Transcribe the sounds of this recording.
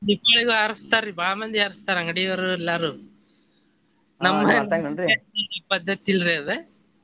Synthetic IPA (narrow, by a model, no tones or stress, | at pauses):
ipːɐɭɐɣɯɐɾɐst̪aːɾibaːmɐnd̪iɐɾɐst̪aːɾɐŋɡɐɽɐjɐʋɐɾɯɛlːaːɾɯ | nɐmːɐɐiɐpɐd̪ːɐt̪ːilɾeðɯ